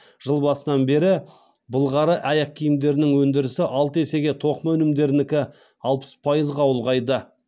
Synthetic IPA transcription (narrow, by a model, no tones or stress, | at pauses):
ʒ̥əlˠbɑsənɑnbe̞ɾɪ | bəlˠʁɑɾəʔæjɑq̚kʲʰijɪmd̪e̞ɾɪnɪŋwɵnd̪ɪɾɪsɪʔɑlˠt̪əe̞se̞ɡʲe̞t̪ʰo̞qmɵnɪmd̪e̞ɾɪnɪkʲɪ | ɑlˠpə̥spʰɑjəzʁɑwʊlˠʁɑjd̪ə